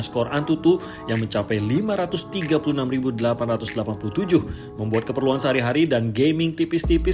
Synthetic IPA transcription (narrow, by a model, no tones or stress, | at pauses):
skɔrʔant̪ut̪u | jaŋməɲt͡ʃapɛjlimaɾat̪ʊst̪iɡapulunamribudəlapanrat̪usdəlapanpulut̪ud͡ʒʊh | məmbuat̪̚kəpərluansəɦaɾiɦaɾidanɡejmɪŋt̪ipɪst̪ipɪ